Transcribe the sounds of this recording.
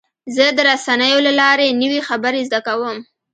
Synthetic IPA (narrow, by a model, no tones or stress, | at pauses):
zəd̪əɾasanəjolalɑɾenəwixabəɾezd̪akawəm